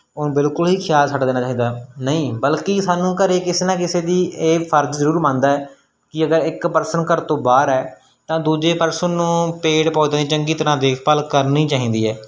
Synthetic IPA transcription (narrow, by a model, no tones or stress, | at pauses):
ʊnːbɪlkʊlɦiːkʰjaːlsəʈd̪eːnaːt͡ʃaːɦĩːd̪aːnəĩːbəlkisaːnũːkəɾeːkɪseːnãːk̬ɪseːd̪iːeːpʰəɾd͡ʒzəɾuːɾmãːnd̪aːɛː | kɪəɡəɾɪkpəɾsənkəɾt̪õːbaːɾɛː | t̪ãːd̪uːd͡ʒeːpəɾsənːũːpeːɽpaːd̪ãːd̪iːt͡ʃəŋɡiːt̪əɾãːd̪eːkʰpəlkəɾniːt͡ʃaːɦĩːnd̪iːɛː